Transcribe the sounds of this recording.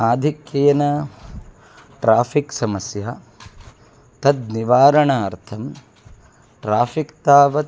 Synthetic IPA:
aːd̪ʱikjeːnɐ | ʈɾaːpiksɐmɐsjaː | t̪ɐt̪niʋaːɾɐɳaːɐɾt̪ʰɐm | ʈɾaːfʰikt̪aːʋɐ

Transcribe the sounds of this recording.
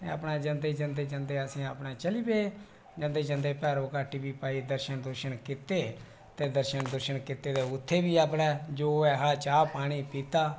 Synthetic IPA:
eːə̰pnaːd͡ʒənd̪eːd͡ʒənd̪eːt͡ʃənd̪eːəsĩːaːpɳaːt͡ʃəliːbeː | d͡ʒə̃nd̪eːt͡ʃənd̪eːpɛːɾoːkaːʈiːbiːpaːiːd̪əɾʃənd̪ʊɾʃənkɪt̪eː | t̪eːd̪əɾʃənd̪ʊɾʃənkɪt̪eːd̪eːʊt̪ʰːeːbiːaːpɽɛːd͡ʒoːɛːɦaːt͡ʃaːpaːɽ̃iːpiːt̪aː

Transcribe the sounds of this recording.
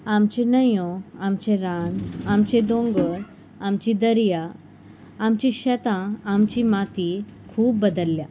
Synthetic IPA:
amt͡ɕẽnəjõamt͡ɕeɾanamt͡ɕed̪õŋɡə | amt͡ɕid̪əɾjaː | mt͡ɕiɕət̪ãamt͡ɕimat̪ikʰuːbːəd̪əlːja

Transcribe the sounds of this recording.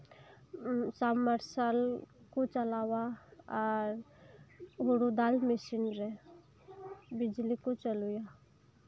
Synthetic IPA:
samːəɾsalkot͡ʃəlawaɔɾ | ɡuɽud̪almesinɾɛ | bɪd͡ʒlikot͡ʃəluja

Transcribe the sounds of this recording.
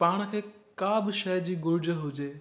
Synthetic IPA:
paːɽ̃ə̆kʰeːkaːbɪʃɐjd͡ʑiːɡʊɾd͡ʑəɦʊd͡ʑeː

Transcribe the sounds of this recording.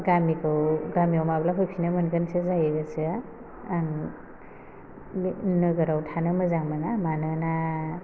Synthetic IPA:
ɡamikʰɯwɡamiɔmablakʰujpʰinamɯnɡɯnsɯzajɯɡɯsɯaː | ŋ | nɯɡɯɾawtʰanɯmɯzaŋmɯnamanɯna

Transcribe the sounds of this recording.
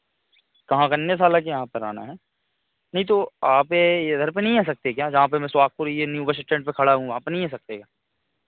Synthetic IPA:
kɐɦãkaɐnjes̬aːlak̬ijɐɦãpɐɾa̰ːna̰ɦɛː | nɐɦĩt̪̬oaːpeɐd̪ʱəɾpenɐɦĩaːs̬ɐk̚t̪ekjaːd͡ʒɐɦãpemɛ̃swaːk̚puɾienjuːbəʃ̬ɪʈẽːɳʈpekʰɐɽaɦũaːpenɐɦĩaːsɐk̚t̪eːɡaː

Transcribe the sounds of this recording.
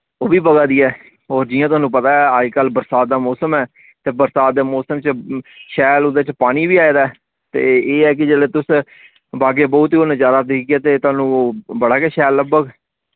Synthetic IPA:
oːbiːbəɡaːd̪iːɛː | ɔːɾd͡ʒiːjãt̪ʊɦaːnũːpət̪aːɛːaːikəlbəɾsaːt̪̚d̪aːmɔːsəmɛː | t̪eːbəɾsaːt̪̚d̪eːmɔːsəmt͡ʃʃɛːlʊd̪eːt͡ʃpaːñiːʋiːaːeːd̪aːɛ | t̪ḛːeːɛːk̬ɪd͡ʒeːleːt̪ʊs | baːɡeːbɔːt̪ionəd͡ʒaːd̪aːd̪ekʰɡeːt̪eːt̪ʊaːnũːbəɽaːkɛːʃɛːlːəɡbəɡ

